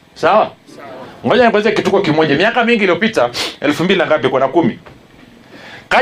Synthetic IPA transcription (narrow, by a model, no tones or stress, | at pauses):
sawa | ŋɔʄaniŋɡɔzakitukɔkimɔʄamiakamiŋɡiliɔpitaɛ̰lfumbilinaŋɡap̬iɛkwanakumi | ka